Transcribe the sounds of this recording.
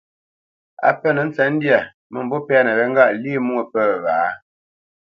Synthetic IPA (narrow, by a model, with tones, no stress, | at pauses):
a̰˨pə˦˨nə˨n̩˦t͡sɛ˨˦n̩˦dja˨ | mə˨m˨bo˦pɛ˦a˦˨nə˨ɾə˨ŋ̩˦ɡa˦˨ʔli˦mu˦ə˨pə˦˨βaː˨˦